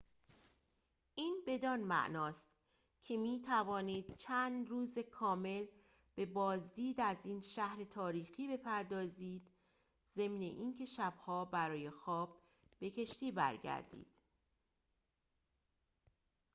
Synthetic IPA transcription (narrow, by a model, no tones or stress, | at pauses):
ʔiːnbe̞d̪ɒnmæ̰ʔnɒːst̪ | cʰe̞miːt̪ʰævɒːniːd̪̥̚t͡ʃʰæːnd̪ruːzekʰɒːme̞l | b̥e̞bɒːzd̪iːd̪æziːnʃæhɾe̞t̪ʰɒːɾiːxiːbe̞pʰæɾd̪ɒːziːd̪ | ze̞mnḛʔiːncʰe̞ʃæbhɒːbæɾɒːje̞xɒːb̥̚ː | e̞cʰe̞ʃt̪iːbæ̰ɾɟæ̰ɾd̪ḭːd̪̥